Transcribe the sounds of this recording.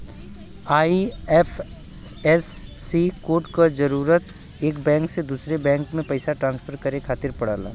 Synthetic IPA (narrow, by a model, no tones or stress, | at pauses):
aːiɛf | ɛsːikoːʈkad͡ʒɐɾuːɾət̪ | eːkbɛ̃ːŋksed̪uːsɾebɛ̃ːŋkmẽpɐɪsaʈɾãːnspʰəɾkɐɾekʰaːt̪ɪɾpɐɽ̤aːla̰ː